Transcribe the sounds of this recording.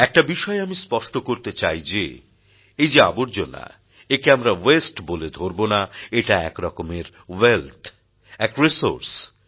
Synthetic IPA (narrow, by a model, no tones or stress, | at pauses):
ɛk̚ʈabiʃɔeamispɔʃʈokoɾt̪et͡ɕajd͡ʑe | ejd͡ʑea̰boɾd͡ʑonːa̰ | ekeamɾawesʈboled̪ʱoɾbonaeʈaɛkɾɔkomeɾ | welt̪ʰ | ɛkɾiso̰ɾs